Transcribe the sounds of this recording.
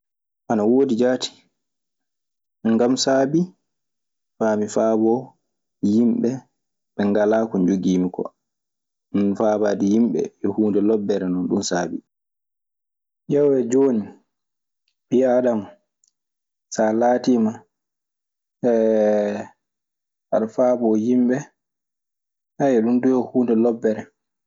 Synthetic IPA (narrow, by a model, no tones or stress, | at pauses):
ʔanawoːdid͡ʒaːtʰi̥ | ŋɡamsaːbi | faːmifaːbɔ | jimɓɛ | ɓɛŋɡalaːkɔɲd͡ʒuɡiːmikɔ̰ | minfaːbaːdijimɓɛ̰jɔhuːndɛlɔbːɛɾɛnɔnɗumsaːbḭ | jawwɛd͡ʒoːni | ɓiadam | salaːtiːma | ɛ | ʔaɗfabɔjimɓɛ | hajɛɗundujɔhuːndɛlɔbːɛɾɛ